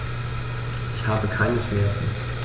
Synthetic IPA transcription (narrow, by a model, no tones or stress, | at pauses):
ʔɪçhaːbəkʰaɪnəʃmɛɐt͡sn̩